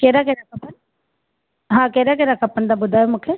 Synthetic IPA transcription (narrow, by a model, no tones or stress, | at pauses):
keːɾaːkeɾakɐpːən | ɦãːkeːɾaːk̬eːɾakəpːənd̪aːbʊd̪ʱaːemʊkʰe